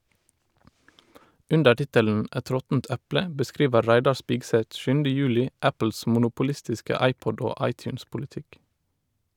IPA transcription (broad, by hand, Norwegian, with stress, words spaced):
ˈʔʉndə ˈʈɪtəln̩ ˈʔæt ˈɾɔtn̩t ˈæplə bəˈskɾiːʋə ˈɾæɪdɑ ˈʃpɪɡsɛt ˈʃʉndə ˈjʉːlɪ ˈʔæpl̩s mʊnʊpʊˈlɪstɪskə ˈɑɪpɔd ˈoː ˈɑɪtjʉːnspʊlɪˌtɪk